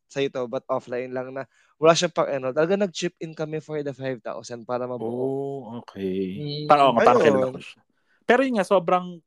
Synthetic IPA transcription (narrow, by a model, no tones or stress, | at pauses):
sɐjɪt̪obɐt̪̚ʔoflajnlɐŋnɐ | wɐlaːʃapɐɡʔɛnolt̪ɐlɐɡanɐɡ̚t͡ʃɪpɪnkɐmɛfɔɹd̪ɐfajvt̪a̰wsɐnpaːɾɐmɐbuʔoːkʰɛpaʔoŋaɐjaokɛnnɐ | pɛːɾojʊnŋasoːbɾɐŋ